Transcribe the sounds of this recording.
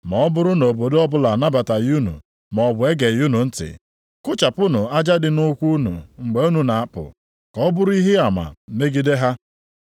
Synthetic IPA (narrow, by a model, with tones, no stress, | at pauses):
mɔ˨ɔ˦bʊ˦ɾʊ˦no˨bo˨dɔ˦bʊ˦la˨na˦ba˨ta˨ju˦nṵ˨ | mɔ˨ɔ˨bʊ˨e˦ɡe˨ju˦nu˨n̩˦tɪ̰˨ | kʊ˦t͡ʃa˨pʊ˦nʊ˨a˦d͡ʒa˦dɪ˨nʊ˦kʷu˦nṵ˨ŋ͡m̩˨ɡ͡be˨˦u˦nu˨na˨a˦˨pʊ̰˨ | kɔ˨ɔ˦bʊ˦ɾi˦ɦɪ˦a˨ma̰˨me˦ɡi˦de˦ɦa˦